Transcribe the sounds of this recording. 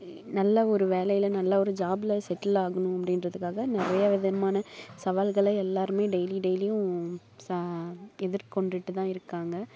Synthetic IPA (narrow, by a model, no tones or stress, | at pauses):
nɐlːɐɔɾɯʋeːlɐjɪlɐnɐlːɐɔɾɯd͡ʒaːbɪlɐsɛʈːɪlaːɣɐnʊ̃ɐpːɐɽɪnɾɐðɯkːaːɣɐnɪrɐjɐɪʋɐðɐnɐmaːnɐsɐʋaːlɣɐɭɐɛlːaːɾɯmeːɖɛɪliɖɛɪlɪjʊ̃ | s | ɛðɪɾkɔɳɖɪʈːɯt̪ãːɪɾɯkːaːŋɡɐ